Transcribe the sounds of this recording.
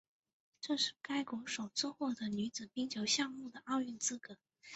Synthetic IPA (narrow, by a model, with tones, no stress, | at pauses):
ʈ͡ʂɤ˥˧ʂɻ̩˥˩ka˥ɪkwɔ˧˥ʂo˨˩ʊt͡sɹ̩˥˧xwɔ˥˩d̪ə˩ny˧˥t͡sɹ̩˨˩pi˥ŋt͡ɕʰjo˧˥ʊɕjɑ˥˧ŋmu˥˩d̪ə˩ʔɑ˥˧ʊy˥˩nt͡sɹ̩˥kɤ˧˥˦